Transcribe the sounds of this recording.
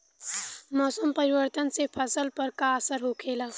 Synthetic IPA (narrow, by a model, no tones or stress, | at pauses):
mɔːsəmpɐɾiwəɾt̪ənsepʰɐsəlpəɾkaəsəɾɦoːkʰeːlaː